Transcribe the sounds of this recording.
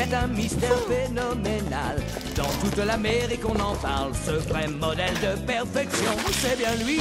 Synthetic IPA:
ɛt̪ɛ̃mist̪ɛʁfenɔmenal | d̪ɑ̃t̪ut̪lameʁikɔ̃nɑ̃paʁlsəvʁɛmɔd̪ɛld̪əpɛʁfɛksjɔ̃sɛbjɛ̃lɥi

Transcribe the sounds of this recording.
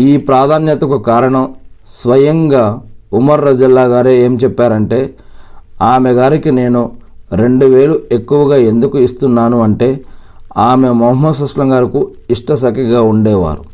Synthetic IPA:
iːpɾaːd̪ʱaːnjɐt̪ɐkukaːɾɐɳɐmsʋɐjɐŋɡaːumɐɾːɐd͡ʒɐlːaːɡaːɾeeːmt͡ʃɛpːaːɾɐɳʈe̞ː | aːmeɡaːɾikine̞ːnuɾe̞ɳɖuʋe̞ːlue̞kːuʋɐɡaːe̞nd̪ukuist̪unːaːnuɐɳʈe̞ː | aːmemɐɦɐsɐslɐŋɡaːɾiku | iʂʈɐsɐkiɡaːuɳɖɛːʋa̰ːɾu

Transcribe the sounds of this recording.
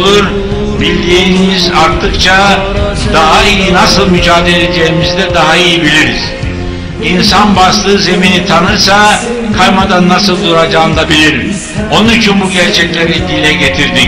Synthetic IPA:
uɾ | bilʲd̪iːnizaɾt̪ʰːɯkt͡ʃʰa | d̪aɦaijinasɯlˠmyd͡ʒaːd̪e̞lʲe̞d͡ʒejimizd̪ɛd̪aɦaijibilʲiɾiz̥ | insanbaslˠɯːze̞minit̪ʰanɯɾsakʰajmad̪anːasɯlˠd̪uɾad͡ʒaɯnd̪abilʲiɾn | o̞nnyt͡ʃʰynbuɟæɾt͡ʃʰɛclʲe̞ɾid̪ilʲɛɟe̞t̪ʰiɾd̪i

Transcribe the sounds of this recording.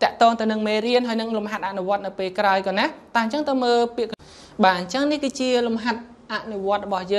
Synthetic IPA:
t̪ɛ̆əʔt̪ɔːŋt̪ɨwnɨŋmeːriənɦaəjnɨŋlumɦat̪̚ʔaʔnuʋŏət̪̚nɨwpeːlkraɔjkɑːnat̪aəɲt͡ɕəŋt̪ɨwməːlpiək | ɓaːɲt͡ɕəŋnihkɨːt͡ɕiəlumɦat̪̚ | ʔaʔnuʋŏət̪̚rɔɓɑhjəːŋ

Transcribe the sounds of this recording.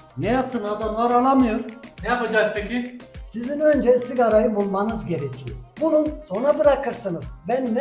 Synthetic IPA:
nɛjapsɯnad̪amlˠaɾalˠamɯjoɾnɛjapad͡ʒakpecʰʲisizinø̞nd͡ʒɛsiɡaɾajɯbulˠmanɯzɟe̞ɾɛcʰijobununso̞nabɯɾakʰɯɾsɯnɯzbænːɛ

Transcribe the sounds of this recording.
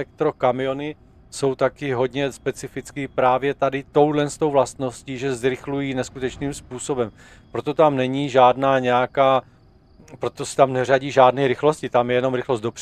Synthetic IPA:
ɛk̚t̪ɾo̞kamɪjo̞nɪ | so̞wt̪akɪɦo̞dɲɛspɛt͡sɪfɪt͡skiːpɾaːvjɛt̪adɪt̪o̞wdlɛnst̪o̞wvlast̪no̞sciːʒɛzɾɪxlujiːnɛskut̪ɛt͡ʃniːmspuːso̞bɛm | pɾo̞t̪o̞t̪amnɛɲiʒaːdnaːɲɛjakaː | pɾo̞t̪osɛ̥t̪amnɛr̝aɟiːʒaːdnɛːɾɪxlo̞scɪt̪amjɛjɛno̞mɾɪxlost̪do̞pr̥

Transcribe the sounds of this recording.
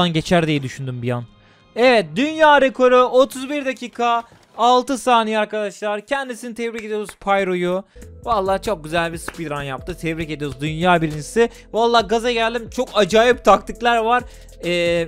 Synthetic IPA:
anɟe̞t͡ʃʰæɾd̪ijɛd̪yʃynd̪ymbijan | evɛt̪̚d̪ynjaːɾe̞kʰo̞ɾuot̪ʰuzbiɾd̪acʰiːkʰaː | lˠt̪ɯsaːnijiaɾkad̪aʃlˠaɾcʰænd̪isinit̪ʰɛvɾice̞d̪ijo̞ɾuzpʰajɾojuvalˠːaːt͡ʃʰo̞k̚ɟyzælʲbispid̪ɾanjap̚t̪ʰɯt̪ʰɛvɾice̞d̪ijo̞ɾuzd̪ynjaːbiɾind͡ʒisɪ | valˠːaːɡazaɟælʲd̪imt͡ʃʰo̞kad͡ʒaːjip̚t̪ʰak̚t̪ʰɯklʲˠæɾvaɾ̥ | ɛː

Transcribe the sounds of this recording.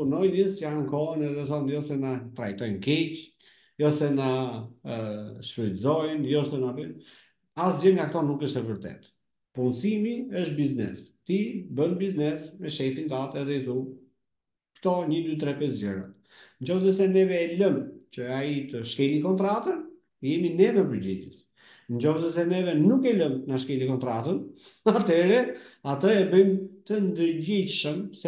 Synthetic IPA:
puɾnɔjnəsjankɔənɛðɛθɔnjɔsɛnat̪ɾajt̪ɔjnkɛt͡ɕ | jɔsɛna | ʃfəlzɔjnjɔsɛnabən | asd͡ʑəɾŋɡakt̪ɔnukəʃt̪ɛvəɾt̪ɛ̰t̪ | punsimiəʃt̪̚biznɛ̰st̪ibənbiznɛsmɛʃɛfint̪at̪ɛðɛit̪u | kt̪ɔɲəd̪yt̪ɾɛpɛsd͡ʑəɾa̰t̪ | ɲd͡ʑɔfsɛsɛnɛvɛːləmt͡ɕəait̪əʃkɛlikɔnt̪ɾat̪ən | jɛminɛvəɾpəɾd͡ʑɛt̪ɛ̰s | ɲɟɔfsɛsɛnɛvɛnukɛləmnaʃkɛlikɔnt̪ɾat̪ən | at̪ɛɾɛat̪əɛbəjmt̪ənd̪əɾd͡ʑit͡ʃʃəmsɛ

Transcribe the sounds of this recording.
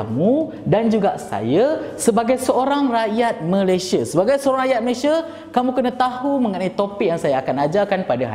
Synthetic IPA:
mũ | dand͡ʒuɡaʔsa̰jasəbaɡajsəoɾaŋrajat̪̚mə̃lajsiasəbaɡajsəoɾaŋrajat̪̚məlesia | kamũkənat̪ahumə̃ŋənait̪opik̚jaŋsajaakanad͡ʒakanpadaɦa̰

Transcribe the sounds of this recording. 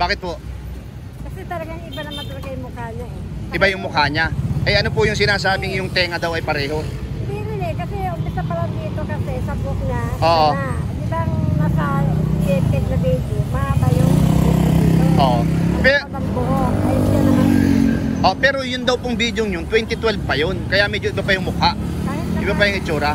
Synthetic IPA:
baːkɪt̪̚poʔ | kɐsɛt̪ɐlɐɡaŋɪbanɐŋmɐt̪ɐlɐɡajʊŋmʊkaːɲa | ʔɪbajʊŋmʊkaːɲaʔɐjɐnopʊjʊŋs̬ɪnaːsaːbɪŋjʊŋt̪ɛːŋɐd̪ɐwɐjpɐɾɛːɦo̞siɾɪnɛkɐsɛʊmpɪsɐpɐlɐd̪iːt̪okɐsɛsɐbʊk̚nɐoːʔoa | ɪbaŋmɐkald͡ʒɛt̪ɛɡ̪̚nɐbejd̪omɐʔabajʊŋdʊʔoːʔpɛɐmboɦokɐjoɐnɐ | ʔopɛːɾo̞jʊnd̪ɐwpoŋbid̪joŋɲʊnt̪wɛnt̪ɪt̪wɛlb̚pɐjonkɐjamɛːd͡ʒoʔɪbapɐjʊŋmʊkaʔ | aɪʔɪbapɐjʊŋʔɪt͡ʃuːɾɐ

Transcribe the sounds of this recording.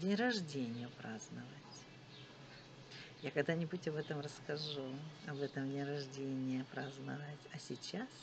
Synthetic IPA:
dʲɪrɐʐdʲenʲɪjʊpɾaznɨvətʲ | jakɐɡd̪anʲɪbutʲɐbɛt̪əmrəskɐʐuɐbɛt̪əmdʲɪɾɐʐdʲenʲɪjəpɾaznɨvətʲɐsʲɪt͡ɕas

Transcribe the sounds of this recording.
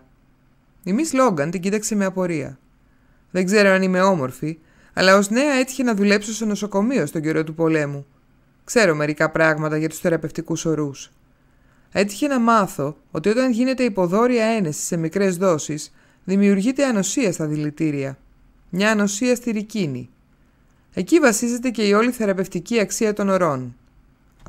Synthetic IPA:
imislo̞ɡɐnt̪iɟit̪ɐkse̞meɐpo̞ɾiɐ̰ | ðe̞ɡze̞ɾo̞ɐnime̞o̞mo̞ɾfi | ɐ̰lɐo̞zne̞ɐe̞t̪i̥çe̞nɐðule̞psost̪ono̞so̞ko̞mio̞st̪o̞ɲɟe̞ɾo̞t̪upo̞le̞mu | kse̞ɾo̞me̞ɾikɐpɾɐɣmɐt̪ɐʝɐt̪u̥sθe̞ɾɐpe̞ft̪ikuso̞ɾus | e̞t̪i̥çe̞nɐmɐθo̞ | ot̪io̞t̪ɐnʝine̞t̪e̞ipo̞ðo̞ɾiɐe̞ne̞si̥se̞mikɾe̞zðo̞sis | ðimiuɾʝit̪e̞ɐno̞siɐst̪ɐðilit̪iɾiɐ | mɲɐːno̞siɐst̪iɾicinḭ | e̞civɐsize̞t̪e̞ce̞io̞liθe̞ɾɐpe̞ft̪iciɐksiɐt̪o̞no̞ɾo̞n

